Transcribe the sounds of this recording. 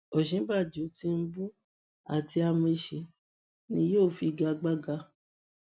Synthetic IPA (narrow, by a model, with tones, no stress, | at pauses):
o˨ʃĩ˨˦ba˦˨d͡ʒu˨˦ti˧n̩˦bu˦ | a˨ti˧a˧mũ˦˧i˧˨ʃi˨˦ | nĩ˧˦jo˦˨fi˧ɡa˧ɡ͡ba˦ɡa˧˦